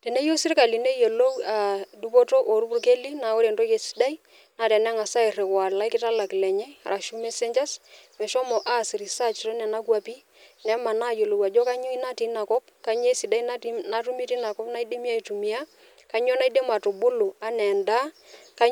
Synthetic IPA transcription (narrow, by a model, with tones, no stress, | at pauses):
tɛ˨ne˦jo˦sɪ˦ɾka˨li˨ne˦jo˨lo˦wa˨du˦po˦to˦ʔo˨ɾu˦bu˦rke˦li˦na˨o˦ɾe˨ndo˦je˨si̥˦da˦i˦ | na˨tɛ˨nɛ˦ŋa˨sa˦ɪ˨re˨kwa˨la˦jkɪ˦ta˦la˨kɪ˨lɛ˨ɲɛ˦a̰˨ɾʔa˨ʃu˦me˦se˦ɲd͡ʒa˦smɛ˨ʃɔ˦mɔ˨ʔa˦si˨ɾi˨sa˦t͡ʃto˦nɛ˨na˦kwa˨pi˦ | nɛ˦ma˨na˦jo˨lo˨wa˨d͡ʒɔ˦ka˦ɲʊ˦i˦na˦ti˨˦na˨kɔ˦p̚ka˦ɲ˦e˦si˨da˦i˦n˦na˦tu˦mi˦ti˦na˨kɔ˦pna˦i˦de˦mi˦a˦i˨tu˨mi˨˦a˦ | ka˨˦ɲo˦na˦i˦de˦ma˨to˨bʊ˦lu˨a˦nɛ˨nda˦ | ka˦